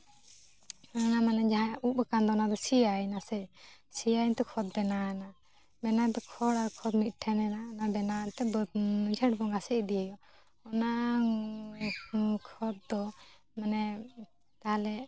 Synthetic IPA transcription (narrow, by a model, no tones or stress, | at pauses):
ɔnamanɛd͡ʒaɦãukand̪ɔnad̪ɔsijajnasɛsijajnt̪ɛkʰɔd̪̚bɛnana | bɛnat̪ɛkʰɔɽaɾkʰɔd̪mit̪̚ˀʈʰɛnɛnanabɛnat̪ɛbɔd͡ʒʱəʈbɔŋasɛʔd̪ijajɔ | ɔna | kʰɔd̪̚d̪ɔ | manɛ | t̪ahalɛ